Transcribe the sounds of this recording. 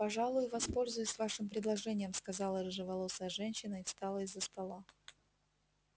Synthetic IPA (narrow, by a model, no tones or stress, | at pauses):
pɐʐalˠʊjʊvɐspo̞lʲzʊjʊsʲvaʂɨmpɾʲɪd̪lˠɐʐɛnʲɪjəmskɐzɑlˠəɾɨʐɨvɐlˠosəʐɛnʲɕːɪnəɪfst̪ɑlˠəɪzːəst̪ɐlˠa